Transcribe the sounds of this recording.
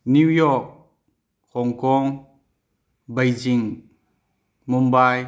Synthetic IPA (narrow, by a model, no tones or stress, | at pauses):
nuwjɔk̚ | hɔŋkɔŋ | bajd͡ʒiŋ | mumbaj